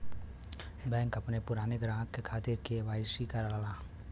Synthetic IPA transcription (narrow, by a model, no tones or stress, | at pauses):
bɛ̃ːŋkɐpnepʊɾaːneɡɾãːɦkːekʰaːt̪ɪɾkeʋaːɪsikaɾalalaː